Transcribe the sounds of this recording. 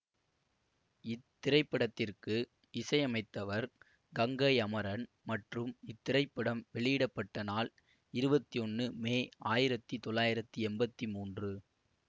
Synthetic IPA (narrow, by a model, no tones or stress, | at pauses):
ɪt̪ːɪɾɐɪpːɐɽɐt̪ːɪrkɯ | ɪsɐjɐmɐɪt̪ːɐʋɐɾ | ɡɐŋɡɐɪɐmɐɾɐn | mɐʈrɯmɪt̪ːɪɾɐɪpːɪɽɐmʋɛɭɪjɪɽɐpːɐʈːɐnaːl | ɪɾɯbɐt̪ːiɔnːɯmeːaːjɪɾɐt̪ːit̪ɔlːaːjɪɾɐt̪ːɯɛmbɐt̪ːimuːndrɯ